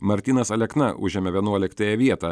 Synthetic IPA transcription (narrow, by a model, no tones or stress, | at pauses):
mɐɾʲt̪ʲiːnɐsɐlʲɛknɐʔʊ̰ʒʲɛːmʲɛʋʲiɛnuɔlʲɪkt̪ɐjɛʋʲiɛt̪ɑː